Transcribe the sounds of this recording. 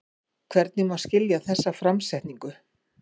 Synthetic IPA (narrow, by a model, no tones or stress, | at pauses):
kʰvɛɾt̪̚nɪmawscɪljaθɛsːafɾamsɛht̪niŋkʏ